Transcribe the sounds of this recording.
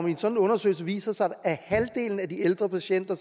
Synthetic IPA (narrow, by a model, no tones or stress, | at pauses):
me̝nsɒ̽d̥n̩ɔ̽nɐsø̰ɪl̩səʋḭːsɐsɑ̈æhæld̥e̝̰ːln̩æd̥ield̥ʁɐpʰæɕen̰d̥ɐs